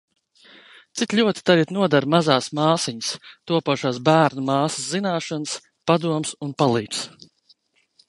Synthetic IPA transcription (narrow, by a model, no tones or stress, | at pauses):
t̪sit̪lʲuɔt̪i̥t̪aɾit̪nuɔd̪aɾmazaːsmaːsiɲst̪uɔpaʃaːsbæːɾnumaːsə̥szinaːʃɔns | pad̪uɔmsunpalˠiːps